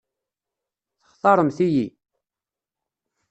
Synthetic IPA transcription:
θə̥χθˤɑɾˤəmθiji

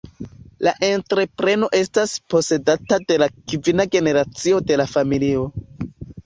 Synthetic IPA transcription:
laʔe̞ntɾe̞pɾe̞no̞ʔe̞staspo̞se̞datade̞lakivinaɡe̞ne̞ɾat͡sio̞de̞lafamilio̞

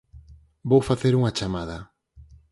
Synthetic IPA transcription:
bowfaθeɾuŋat͡ʃamað̞ɐ

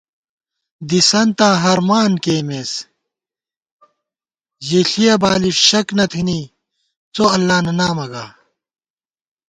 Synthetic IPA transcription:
d̪isɐnt̪aːɦɐɾmaːnkeːmeːs | ʑeɬijɐbaːliʂɕɐknɐt̪ʰini | t͡soɐlːaːnɐnaːmɐɡaː

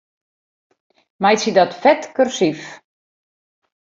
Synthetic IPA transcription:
majsidɔtfɛtkørsif

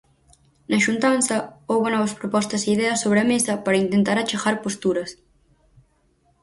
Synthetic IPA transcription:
nɐʃunt̪ansɐowβɐnɔβɐspɾopɔst̪ɐseiðɛɐsoβɾeɐmesɐpɐɾɐint̪ent̪aɾɐt͡ʃaɣaɾpost̪uɾɐs

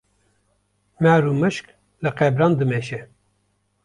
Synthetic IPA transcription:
mæɾumɨʃk | lɨqɛbɾɑːnd̪ɨmɛʃɛ

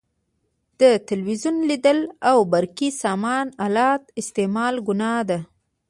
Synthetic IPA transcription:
d̪̥ət̪ɪlwizunlid̪əlawbaɾkisɑmɑnalɑt̪ɪst̪emɑlɡʊnɑd̪a

